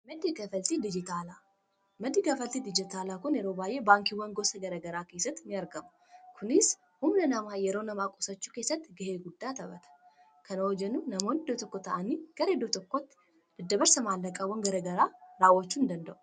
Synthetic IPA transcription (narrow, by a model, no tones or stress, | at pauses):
mɐd̪iɡɐfɐlt̪id̪ɪd͡ʒɪt̪aːla | mɐd̪iːɡɐfɐlt̪id̪ɪd͡ʒɪt̪aːlaːkʊnjɛɾoːbaːjʔebaːŋkiwɔŋɡosɐɡɐɾɐɡɐɾaːke̞ːsːɐt̪ːnɪɐɾɡɐmʊ | kʰʊnɪs | hʊmnɐnɐmaːjɛɾoːnɐmaːkʼɔsɐt͡ʃːu̥ːke̞ːsːɐt̪ːɪɡɐheːɡʊd̪ːaːt̪ɐbɐt̪ʰɐ̥ | kʰɐnɐhɔd͡ʒɛnuːnɐmo̞ːnɪd̪ot̪ɔkːɔt̪ɐʔɐniːɡ̥ɐɾɐd̪oːt̪ɔkːɔt̪ː | d̪̥ɨd̪ːɐbɐɾsɐmaːlːɐkʼawɔnɡɐɾɐɡɐɾaːɾaːwɔt͡ʃːuːɪnd̪ɐnd̪ɐʔʊ̥